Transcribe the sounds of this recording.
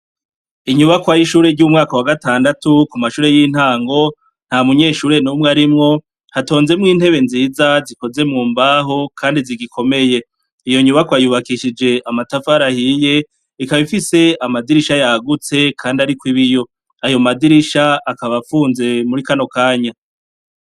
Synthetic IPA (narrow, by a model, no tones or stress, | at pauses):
iɲuβakwajiʃuːɾe̞ɾɟumŋaːkawaɡataːndatukumaʃuːɾe̞jin̥haːŋɡo̞ | n̥hamuɲe̞ːʃuːɾe̞nuːmweaɾimŋo̞ | hato̞ːnze̞mŋiːn̥he̞βe̞nziːzaziko̞ze̞mŋuːmbaɦo̞kʰaːndiziɡikʰo̞me̞je̞ | ijo̞ɲuβakwajuβakiʃid͡ʒe̞ʔamatafaɾahije̞ | ikaβifise̞amadiɾiʃajaɡut͡se̞kʰaːndiaɾikwiβijo̞ | ajo̞madiɾiʃaakaβafuːnze̞muɾikano̞kaːɲa